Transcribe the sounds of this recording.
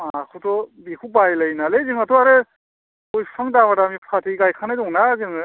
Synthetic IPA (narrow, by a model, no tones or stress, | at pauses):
akʰutʰɔbikʰubajlajnalezɯŋatɔaɾɯ | ojpʰaŋdamadamipʰkʰatʰiɡajkʰanajdɔŋnazɯŋɯ